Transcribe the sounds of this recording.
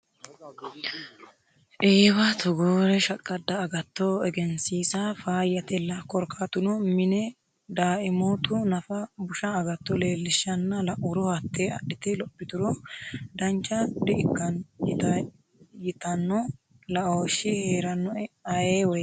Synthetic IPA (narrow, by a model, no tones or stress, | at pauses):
ʔeːbɐt̪ʰɔɡoːɾɛʃɐkʼːɐd̪ːɐːɡɐt̪ːoːɛɡɛnsiːsɐfaːjːɐt̪ɛlːɐkɔɾkʰaːt̪ʊnɔmɪnɛ | d̪aːʔɪmoːt̪ʊnɐfɐbʊʃɐːɡɐt̪ːɔle̞ːlːɪʃːɐnːɐlɐʔʊɾɔhɐt̪ːeɐ̰ɗɪt̪ɪlɔpːɪt̪ʊɾɔd̪ɐnt͡ʃːɐd̪ɪʔɪkːɐnjɪt̪ɐ | jɪt̪ɐnːɔ | lɐʔoːʃɪheːɾɐnːɔɐjeːwɔj